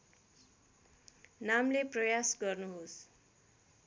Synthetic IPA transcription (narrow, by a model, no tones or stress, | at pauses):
namleprʌjasɡʌrnuɦos